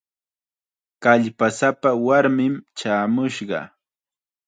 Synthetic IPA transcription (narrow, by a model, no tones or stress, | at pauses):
kaʎpasapawaɾmɪmt͡ʃaːmʊʃɢɑ̰